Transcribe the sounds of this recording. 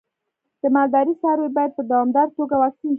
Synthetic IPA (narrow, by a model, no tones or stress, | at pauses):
d̪̥əmɑld̪ɑɾisɑɾwejbɑjad̪̚pəd̪awɑmd̪ɑɾt̪oɡawaxt̪in